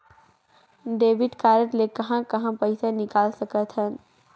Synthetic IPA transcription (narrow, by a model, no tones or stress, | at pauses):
ɖeːʋɪɖkaːɾəʈlekɐɦãkɐɦãpɐɪsanɪkaːlsɐkət̪ɦən